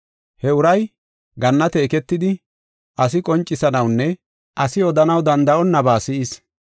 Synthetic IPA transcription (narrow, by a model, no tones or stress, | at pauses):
hɛʊɾɐj | ɡɐnːɐt̪eːkɛt̪ːɪd̪ɪ | ʔɐsɪkʼɔnt͡ʃʼːɪsɐnɐwnːɛ | ʔɐsɪɔd̪ɐnɐwd̪ɐnd̪ɐʔɔnːɐbaːsɪʔɪs